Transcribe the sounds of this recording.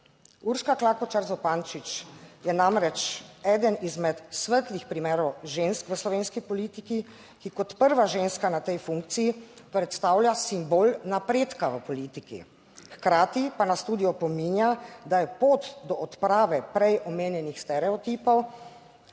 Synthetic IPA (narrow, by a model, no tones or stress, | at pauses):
uɾʃkaklaːkɔt͡ʃaɾzɔpant͡ʃit͡ʃjɛnamɾɛt͡ʃɛːd̪ənizmɛt̪sʋət̪lixpɾimeːɾɔwʒenskʋəslɔʋeːnskipɔliːt̪iki | kikɔt̪pəɾʋaʒenskanat̪ɛjfuŋk̚t̪siji | pɾɛt̪st̪aːwljasimboːlnapɾeːt̪kaʋəpɔliːt̪ikḭ | xkɾaːt̪ipanast̪uːd̪ijɔpɔmiːnjad̪ajɛpot̪d̪ɔʔɔt̪pɾaːʋɛpɾɛjɔmeːnjɛnixst̪ɛɾɛɔt̪iːpɔw